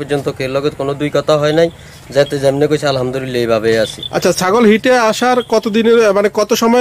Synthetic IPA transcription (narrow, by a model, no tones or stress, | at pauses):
pɔɾd͡ʑont̪okeɾlɔɡet̪konod̪ujkɔt̪ʰaɦɔenaj | d͡ʑajt̪ed͡ʑemnekojt͡ɕʰalɦamd̪olilejbʱabeat͡ɕʰḭa̰tːʰasaɡolɦiʈeaʃaɾkɔt̪od̪ineɾmanekɔt̪oʃɔmɔe